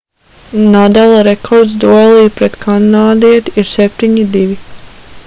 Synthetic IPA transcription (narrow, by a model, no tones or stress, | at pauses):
nad̪alˠaɾɛkʰɔɾd̪zd̪uɔlˠiːpɾɛt̪kʰanaːd̪iɛt̪iɾsɛp̚t̪iɲid̪iʋi